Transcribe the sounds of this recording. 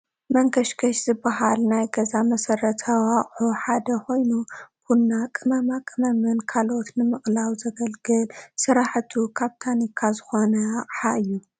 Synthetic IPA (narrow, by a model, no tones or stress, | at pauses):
mɐŋkʰɐʃɡʰɐʃzɨbːaɦalnajɡɐzamɐsɐɾɐt̪ʰɐwaχʼħuħad̪ɐkʰo̞jnub̥unːakʼɨmɐmakʼɨmɐmɨnkʰalo̞t̪nɨmɨχʼlawzɐɡɐlɡɨlsɨɾaħt̪ʰukʰaβt̪ʰanikʰazɨxo̞nɐaʔʼħaʔɨjːu